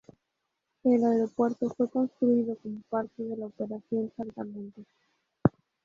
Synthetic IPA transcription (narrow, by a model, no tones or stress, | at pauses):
elaeɾo̞pwe̞ɾt̪o̞fwe̞fko̞nst̪ɾuiðoko̞mopaɾt̪eðe̞laope̞ɾaθjo̞nsant̪amẽnt̪e